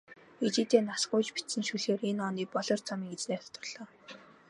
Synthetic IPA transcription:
et͡ɕiːt̪eːnasɢʊjt͡ɕpit̪sɘ̆nʃuɮeːrenɔniːk̚pɔɮɞ̆rt͡sʰɔmiːket͡sneːt̪ʰɔ̥t̪ɞ̆rɮ̥ɔː

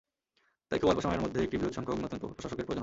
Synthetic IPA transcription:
t̪a̰jkʰobalpoʃamaeɾmod̪ʱːeekʈibiɾod̪ʃɔŋkʰooɡnot̪ont̪po̰pɾoʃaʃokeɾpod͡ʑon

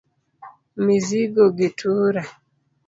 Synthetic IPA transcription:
miziɡɔɡitʰuɾa

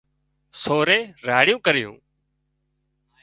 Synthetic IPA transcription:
soːɾeːɾaːɽjũːkəɾɪjṵ̃ː

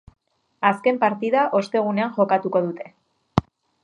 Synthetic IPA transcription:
aske̞mpaɾt̪iðaʔo̞st̪e̞ɣ̞une̞aŋʝo̞kat̪uko̞ð̞ut̪e̞

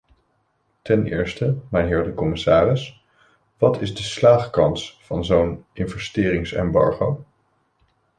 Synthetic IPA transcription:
tɛnʔɪ̰ːɹstəmɛjnɦɪːɹdəkɔmɪsaːrɪs | ʋɑtʰɪzdəslaːχkɑnsfɑnzownʔɪnvɛstɪːrɪŋsɛ̰mbɑ̰ɹχow

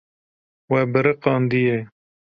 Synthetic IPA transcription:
wɛbɨɾɨqɑːnd̪ije

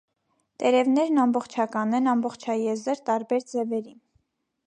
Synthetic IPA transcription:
t̪ɛɾɛvnɛɾnɑmbɔχt͡ʃʰɑkɑnɛnɑmbɔχt͡ʃʰɑjɛzəɾt̪ɑɾbɛɾd͡zɛvɛɾin

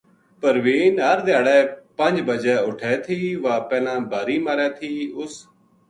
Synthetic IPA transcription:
pəɾʋeːɪnəɾd̪ɪjaːɽɛːpə̃ɲd͡ʒbəd͡ʒɛːʊʈʰɛːt̪ʰiːʋãːpɛːlãːbaːɾiːmaːɾɛːt̪ʰiːʊs

